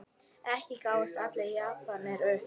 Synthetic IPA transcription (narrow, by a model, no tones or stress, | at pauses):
ɛhcɪkaːwast̪at̪lejapanɛɾœh